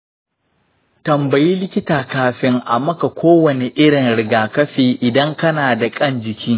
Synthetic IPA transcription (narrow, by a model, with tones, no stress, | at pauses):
tɐ˨mbɐ˨jiː˦lɪ˦kʲɪ˦taː˨kaː˦ɸɪ˦ŋʔa˨mɐ˦ka˨kʷʰoː˦wɐ˨ne˨ʔɪ˦ɽɪ˨ŋɽɪ˨ɡaː˨kɐ˦ɸeː˨ʔɪ˨dɐ˦ŋkɐ˦naː˨da˨kʼɐ˦˨nd͡ʒɪ˨kʲiː˦